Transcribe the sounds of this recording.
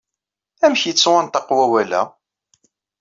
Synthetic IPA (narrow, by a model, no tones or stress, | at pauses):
æmçjət͡sːwɑnt̪ɑqːwæwælæ̰